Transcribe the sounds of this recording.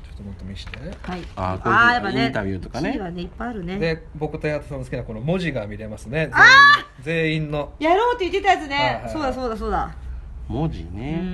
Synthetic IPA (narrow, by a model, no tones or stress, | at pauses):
t͡ɕot̪ːomot̪ːo̞mʲiɕi̥t̪e̞haiaaːjapːaet̪abʲjɯːt̪okaneβane̞ipːaaɾɯ̟ne̞d̪e | bo̞kɯ̟t̪ojaat̪ḁsãnsɨ̥kʲinako̞no̞mo̞ʑiɡamʲiɾe̞masɨne̞a | d͡ze̞ːĩnːo̞jaɾoːt̪ːeit̪ːet̪ajat͡sɨne̞soːd̪aso̞ːd̪asoːd̪amod͡ʑḭne